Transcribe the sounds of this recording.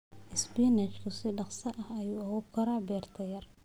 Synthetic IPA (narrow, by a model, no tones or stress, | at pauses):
ʔɪsbinɛt͡ʃkʰʊsɪɖɑχsɐʔɐhɐjuːɐɣɔb̚kʰɐɾaːbɛːrt̪ʰɐjɐr